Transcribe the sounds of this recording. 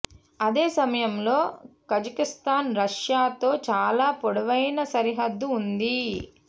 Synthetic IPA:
ɐd̪e̞ːsɐmɐjɐmloːkɐd͡ʒɐkist̪aːnɾɐʂjaːt̪o̞ːt͡ʃaːlaːpɔɽɐʋɐjnɐsɐɾiɦɐd̪ːuːnd̪i

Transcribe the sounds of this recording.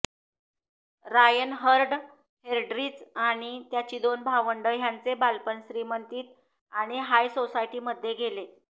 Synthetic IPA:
ɾajənɦəɾɖ | heɾɖɾiːd͡zaɽ̃it̪jat͡ɕiːd̪onbʱaʋəɳɖəjant͡sebalpənsɾimənt̪iːt̪̚ | aɽ̃iɦajsosajʈiːməd̪ʱːjeɡʱele

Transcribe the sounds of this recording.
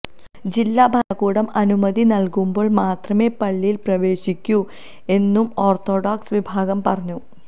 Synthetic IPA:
d͡ʑilːabʱɐnɐkːuːɽɐmɐnumɐðinɐlkumbo̞ːɭmaːt̪rɐme̞ːpɐɭːijilprɐʋe̞ːɕikʲːu | e̞nːumo̞ːrt̪ʰo̞ːɖaːksʋibʱaːɣɐmpɐrɐɲːu

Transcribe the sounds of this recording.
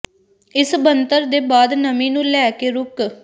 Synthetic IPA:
ɪsbənt̪əɾd̪eːbaːd̪nəmĩːnũːlɛːkeːɾʊk

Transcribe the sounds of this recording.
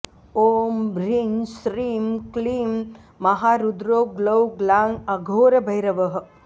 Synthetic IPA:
oːmbɾinsɾiːmkliːmː | ɐɦaːɾud̪ɾoːɡlɐwɡlaːŋɐɡʱoːɾɐbʱɐjɾɐʋɐɦɐ̆

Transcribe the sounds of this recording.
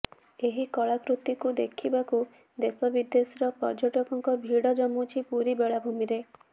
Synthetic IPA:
eɦikɔɭakɾut̪ikud̪ekʰibaku | d̪esɔbid̪ːesɾɔpɔ̰ɾd͡ʒɔʈɔkɔŋkɔbʱiɽɔd͡ʒɔmut͡ʃʰipuɾibeɭabʱumiɾe

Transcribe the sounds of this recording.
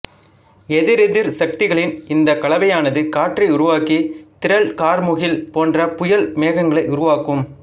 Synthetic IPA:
ɛðɪɾɪðɪɾsɐk̚t̪ɪɣɐɭɪnɪnd̪ɐkɐɭɐʋɐjaːnɐðɯkaːʈriʊɾʊʋaːkit̪ɪɾɐɭkaːɾmʊɣɪlpoːndrɐpʊjɐlmeːɣɐŋɡɐɭɐɪʔʊɾʊʋaːkɯm

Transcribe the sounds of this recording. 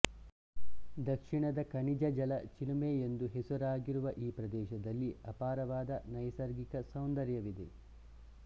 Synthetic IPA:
d̪ɐkʂiɳɐd̪ɐkɐɳid͡ʒɐd͡ʒɐlɐt͡ʃilumeːend̪uɦesɐɾaːɡiɾuʋɐʔiːpɾɐd̪ɛːʃɐd̪ɐlːiɐpaːɾɐʋaːd̪ɐnɐjsɐɾɡikɐsɐwnd̪ɐɾjɐʋid̪e̞

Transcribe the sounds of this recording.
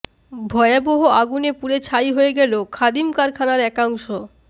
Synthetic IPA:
bʱɔeaboɦoaɡunepuɾet͡ɕʰajɦoeɡɛlokʰad̪imkaɾkʰanaɾɛkaŋʃo

